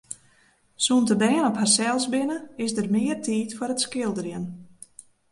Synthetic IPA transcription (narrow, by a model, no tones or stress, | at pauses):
suntəbɛːnɔpharsɛlˠsbɪnəɪsdərmɪərtʰiːtfoɾətskɪlˠdərjən